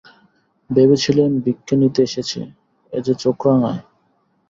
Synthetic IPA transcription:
bebet͡ɕʰilenbikʰːenit̪eeʃet͡ɕʰḛ | ḛd͡ʑet͡ɕokɾaŋae

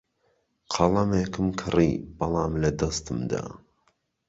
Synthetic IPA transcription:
qʰɐlˠɐmeːkɨmkʰɨriːb̥ɐlˠɑːmlɐd̪ɐst̪ɨmd̪a̰ː

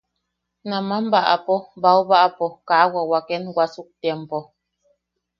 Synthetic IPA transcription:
namam̩baʔa̰pɔbawbaʔapɔkaːwawakɛnwasuk̚tjɛmpɔ

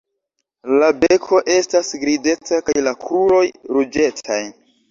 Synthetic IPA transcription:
labekʰo̞ʔe̞stasɡɾide̞takajlakʰuɾo̞jɾud͡ʒe̞tʰaj

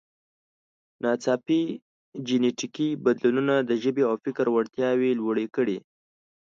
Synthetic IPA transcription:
nɑt͡sɑpi | d͡ʒɪneʈikibad̪lununad̪əʒəbeawfɪkɾwaɽt̪jɑwelwəɽekəɽi

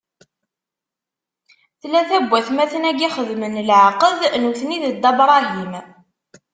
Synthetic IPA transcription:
θlæθæbːæθmæθənæɡiχəðmənlʕaqəðnuθniðəd̪ɑbɾˤɑɦim

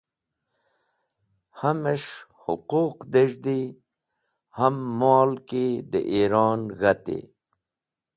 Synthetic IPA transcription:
hameʂhʊ̰quːqd̪eʒd̪i | hamːɑːlked̪ə̰ʔiɾɑːnɣat̪ḛ

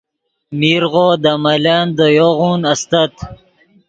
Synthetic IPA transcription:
miɾʁoːd̪amaland̪əjoɣuːnɐst̪at̪

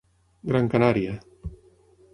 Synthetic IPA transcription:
ɡɾaŋkanaɾia

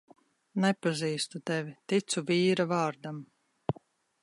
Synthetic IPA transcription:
nɛpaziːst̪ut̪ɛvʲit̪it̪suviːɾavɑːɾd̪am

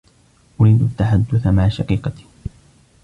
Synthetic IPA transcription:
ʔʊɾiːd̪at̪ːaħad̪ːʊθamaʕaʃɑqiːqɑt̪i̥

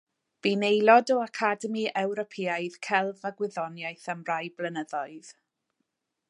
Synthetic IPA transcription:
b̥inejlˠɔdɔakʰadəmiɛwɾɔpʰiːajð̥kʰɛlˠvaɡwɪðɔnjajθamrajblənəðɔɨð̥

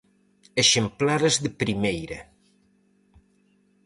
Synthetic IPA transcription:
eʃemplaɾezðəpɾimejɾɐ

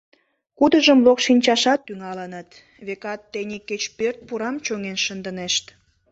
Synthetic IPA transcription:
kud̪əʒəmlokʃinʲt͡ɕɑʃɑt̪̚ːyŋɑlənət̪ | βekɑt̪ːenʲikːet͡ɕpørt̪̚puɾɑmt͡ɕoŋenʃənd̪əneʃt̪

